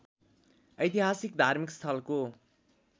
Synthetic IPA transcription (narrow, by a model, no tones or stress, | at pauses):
ʌjt̪iɦasikd̪ʱarmikst̪ʰʌlko